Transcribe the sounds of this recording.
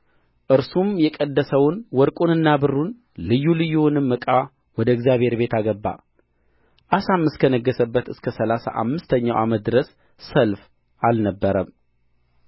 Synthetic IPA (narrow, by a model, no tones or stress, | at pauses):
ʔɨɾsumjɛkʼəd̪ːəsəwnwɔɾkʼunɨnːabɨrːun | lɨjːulɨjːuwnɨmːɨkʼa | wɔd̪əɨɡzjaβhe̞ɾbe̞t̪ʰaɡəbːa̰ | ʔasamːɨskʰənəɡːəsəbːət̪ɨskʰəsəlasa̰ʔa̰mːɨst̪ʰəɲːa̰wʔamət̪̚d̪ɨɾəsː | əlf | alnəbːəɾəm